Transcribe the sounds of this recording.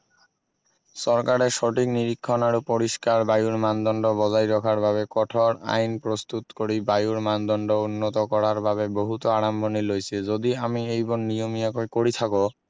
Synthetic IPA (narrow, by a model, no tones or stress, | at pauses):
ʃɔɾkaɾeʃɔʈʰikniɾikʰːonaɾupoɾiʃkaɾbajuɾmand̪ɔɳɖobɔd͡ʑajɾɔkʰaɾbʱabekɔʈʰoɾa̰jnpɾost̪ut̪koɾibajuɾmand̪ɔɳɖounːot̪okɔɾaɾbʱaβeboɦut̪oaɾambʱonilojt͡ɕʰed͡ʑod̪iamiejbɔɾnijomiakokoɾit̪ʰako